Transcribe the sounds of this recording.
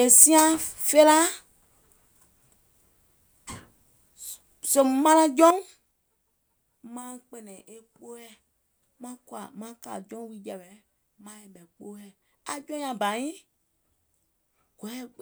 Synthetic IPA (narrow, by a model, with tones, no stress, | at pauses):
e˨sĩ˦ã˦fe˦la˦ | se˨m˨mã˦lã˦d͡ʒɔ̃˦ŋ | mã˦k͡pe˨nɛ̃˨ʔe˨k͡po˦ɛ˦ | mã˦ka̰˨mã˦ka̰˨d͡ʒɔ̃˦wi˦d͡ʒɛ˨bɛ˨ | mã˦ɛ˨ɓɛ˨k͡po˦ɛ˦ | a̰˨d͡ʒɔ̃˦ɲ˦ã˨ba˨ɲĩ˦ | ɡ̥ɔ˨˦ɛ˦